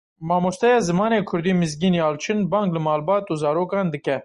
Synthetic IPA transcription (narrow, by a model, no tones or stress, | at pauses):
mɑːmost̪ɛjɑːzɨmɑːneːkʰʊɾd̪iːmɨzɡiːnjɑːlt͡ʃʰɨnbɑːŋɡlɨmɑːlbɑːt̪uːzɑːɾoːkɑːnd̪ɨkɛ